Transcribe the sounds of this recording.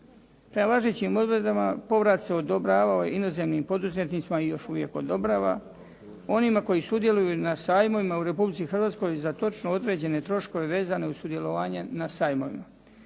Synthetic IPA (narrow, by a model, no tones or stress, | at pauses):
pɾemalaʒeːt͡ɕimo̞d̪ʋɾed̪amapo̞ʋɾat̪se̞o̞d̪o̞bɾaːʋaoje̞̰ino̞ze̞mnimpo̞d̪uzmet̪nit̪simaijo̞ʃuʋje̞̰ko̞̰d̪o̞bɾaːʋa̰ | o̞nimako̞jisud̪je̞lujunasaːjmo̞ʋimauɾe̞publitsixrʋaːt̪sko̞jzat̪o̞t͡ʃnoo̞d̪ɾe̞ːd͡ʑe̞ne̞t̪ɾo̞ʃko̞ʋe̞ʋe̞ːzane̞usud̪je̞lo̞ʋaːɲenasaːjmo̞ʋḭma